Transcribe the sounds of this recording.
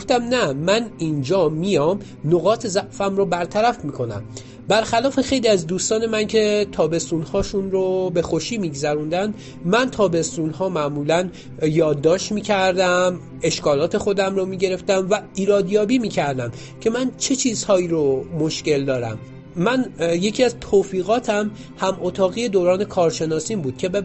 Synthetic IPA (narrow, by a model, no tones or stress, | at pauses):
ɡoft̪æmnæmænind͡ʒɒːmijɒːm | noɣɒːt̪ʰezæʔfæmɾobæɾt̪ʰæɾæfmiːkʰo̞næ̰m | bæɾxælɒːfe̞xe̞jliæzd̪uːst̪ɒːne̞mæncʰe̞t̪ʰɒːbe̞st̪unhɒːʃunɾobe̞xoʃiːmiːɡzæɾund̪ænd̪ | mænt̪ʰɒːbe̞st̪uːnɦɒːmæʔmuːlæn | jɒːd̪ːɒːʃt̪miːcʰæɾd̪æm | e̞ʃkɒːlɒːt̪ʰe̞xo̞d̪æmɾomiːɟe̞ɾe̞ft̪æmvæiːɾɒːd̪jɒːbiːmiːcʰæɾd̪æm | cʰe̞mænt͡ʃʰe̞t͡ʃʰiːz̥hɒːiːɾomo̞ʃce̞ld̪ɒːɾæ̰mː | ænje̞cʰiːæzt̪ʰoːfiːɣɒːt̪ʰæm | hæmʔot̪ʰɒːɣiːe̞d̪oːɾɒːne̞kʰɒːɾʃe̞nɒːsiːmbuːd̪̥̚cʰe̞be